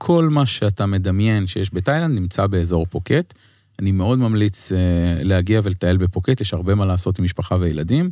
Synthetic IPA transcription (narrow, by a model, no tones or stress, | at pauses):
kʰo̞lmaʃeatame̞damje̞nʃejeʃbetajland̪nimt͡sabe̞ezo̞ʁpoket | anime̞o̞dmamlit͡sleaɡiavelet̪ae̞lbe̞po̞ketjeʃhaʁbemalaːso̞timːiʃpaχavejeladim